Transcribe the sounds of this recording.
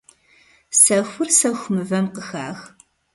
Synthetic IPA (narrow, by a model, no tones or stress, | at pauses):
sɐxʷʊrsɐxʷʊmɨvɐmqəxa̰ːx